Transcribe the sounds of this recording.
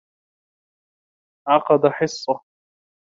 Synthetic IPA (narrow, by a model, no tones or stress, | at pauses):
ʕɑqɑd̪aħɪsˤːɑ